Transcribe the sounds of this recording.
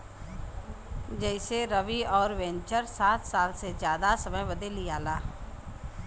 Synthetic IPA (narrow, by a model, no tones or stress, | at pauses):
d͡ʒɛɪseɾəʋiɔːɾʋɛ̃nt͡ʃəɾsaːt̪ʰsaːlsezjaːd̪asɐməjʋɐd̪elijaːlaː